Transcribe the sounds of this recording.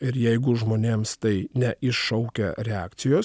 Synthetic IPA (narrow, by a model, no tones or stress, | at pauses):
ɪɾjɛɪɡʊʒmoːnʲeːmst̪ɐɪnʲɛʔɪʃʃɐʊkʲɛɾʲɛæːkt̪sʲɪjoːs